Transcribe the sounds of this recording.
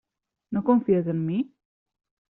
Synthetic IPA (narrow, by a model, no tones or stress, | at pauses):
nokoɱfiəzənmi